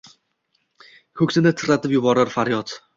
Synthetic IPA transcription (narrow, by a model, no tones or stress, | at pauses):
kʰɵkʲsɪnɪt̪ʰɨɾat̪ʰɪpjʊbɒɾaɾfaɾjɒt̪